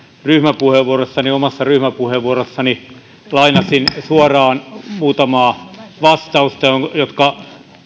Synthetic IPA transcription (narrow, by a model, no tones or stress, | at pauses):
ryhmæpuheʋʋuorosːɑniomɑsːɑryhmæpuheʋʋuorosːɑni | lɑinɑsinsuɑrɑːnmuːt̪ɑmɑːʋɑst̪ɑust̪ɑjoŋjot̪kɑ